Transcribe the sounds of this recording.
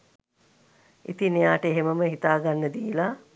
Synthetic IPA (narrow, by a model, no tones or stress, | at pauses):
ḭt̪inejaːʈəeɦeməməɦit̪aːɡanːəd̪iːla